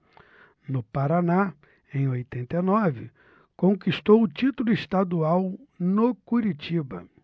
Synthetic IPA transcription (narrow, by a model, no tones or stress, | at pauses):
nʊpaɾana | ẽj̃ojt̪ẽnt̪enɔvɪ̰ | kõŋkist̪owʊt͡ʃit̪ulʊist̪ad̪uawnokuɾit͡ʃibɐ̰